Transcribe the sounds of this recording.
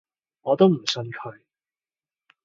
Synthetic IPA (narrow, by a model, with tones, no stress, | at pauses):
ŋɔː˨˧t̪o˥wm̩˨˩sɵ˧nkʰɵ˨˧ɥ